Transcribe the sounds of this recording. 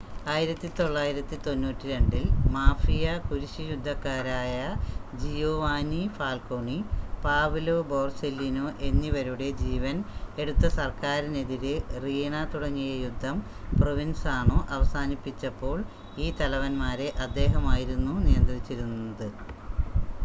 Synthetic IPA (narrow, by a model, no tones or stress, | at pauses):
aːjiɾɐt̪ːit̪o̞ɭːaːjiɾɐt̪ːit̪o̞nːuːtːiɾe̞ɳɖilmaːfijɐkuɾiɕijud̪ʱːɐkːaːɾaːjɐd͡ʑijoːʋaːnifaːlko̞ɳipaːʋulobo̞ːrselːino̞ːʔe̞nːiʋɐɾuɽe̞d͡ʑiːʋɐne̞ɽut̪ːɐsɐrkaːɾine̞ðiɾɨriːɳat̪uɽɐŋːijejud̪ʱːɐm | proʋinsaːɳo̞ːʔɐʋɐsaːnipːit͡ɕːɐpːo̞ːɭ | iːt̪ɐlɐʋɐnmaːɾe̞ʔɐd̪ːe̞ːɦɐmaːjiɾunːunijɐnt̪rit͡ɕːiɾunːɐðɨ